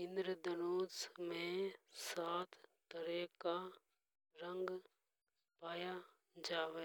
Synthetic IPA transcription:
ɪnd̪ɾəd̪ənoːzmẽsaːt̪ʰt̪əɾeːka | ɾəŋɡ | paːja | d͡ʒaːʋe

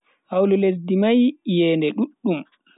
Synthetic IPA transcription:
hawlules̬dimajjɛːndɛɗuɗːum

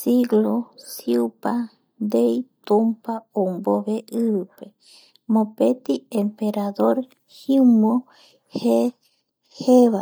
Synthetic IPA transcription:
siɡlosiupa | d̪ejt̪umpaomboβeʔɨβɨpe | mõpet̪iempeɾaðoɾ | himo | he | heβa

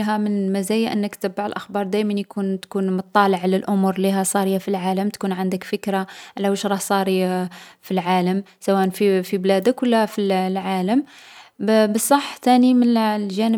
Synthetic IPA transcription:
ɦæmənmæzæjaʔənːəkt̪əbːaʕəlʔəxbɑɾˤd̪æjmənjkunt̪kunmʊt̪ˤːɑləʕləlʔʊmuɾliɦæsˤɑɾijafilʕaləmt̪kunʕand̪əkfəkɾaʔlːæwəʃɾˤɑhsˤɑɾifilʕaləmsæwæʔənfifiblæd̪əkwəlːæfillʕaləm | bəsˤːɑħːt̪ænimənlʒænə

